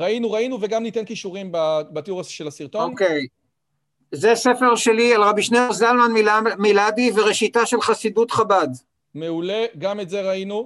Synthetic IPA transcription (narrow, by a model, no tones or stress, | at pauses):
ʁainuʁainuveɡamnit̪enkiʃuʁimbabat̪iuʁasʃelasiʁt̪ookej | zease̞feʁʃelialʁabiʃneoʁzalmanmilabiveʁeʃitaʃelχasidut̪χabad̪ | meuleɡametzeʁainu